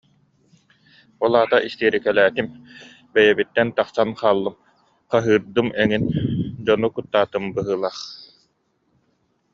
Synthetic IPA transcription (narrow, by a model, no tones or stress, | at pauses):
ɔlˠaːt̪aʔist̪iːɾikɛlæːt̪im | bɛjɛbit̪ːɛnt̪aqsanχaːlˠːɯm | qaɦɯːɾd̪ɯmɛŋind͡ʑɔnukut̪ːaːt̪ɯmbɯɦɯːlˠaːχ